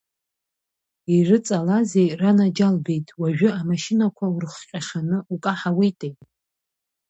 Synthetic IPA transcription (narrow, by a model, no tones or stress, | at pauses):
irɨt͡sʼalaze̞jranad͡ʒalbe̞jtʼwaʒᶣʷʏamaʃɪnakʷʰaurɨχqʲʼaχanɨukʼaħawejtʼejtʼ